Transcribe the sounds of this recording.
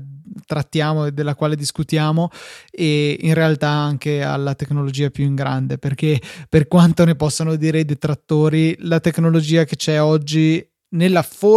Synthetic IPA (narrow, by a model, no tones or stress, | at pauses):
t̪ɾat̪ːjaːmoed̪ːelːakwaːled̪iskut̪jaːmoeinrealt̪aaŋkea̰lːat̪eknolod͡ʒiːapjuiŋɡɾand̪eperkeperkwant̪onepɔsːonod̪iːɾejd̪et̪ɾat̪ːoːɾilat̪eknolod͡ʒiːaket͡ʃɛɔd͡ʒːi | nelːafo